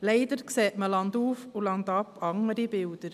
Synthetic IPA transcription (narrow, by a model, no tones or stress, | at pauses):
leɪd̪əɾkseːʔməlɑnd̪uːfulɑnd̪ɑpʰɑŋəɾibɪld̥̪əɾ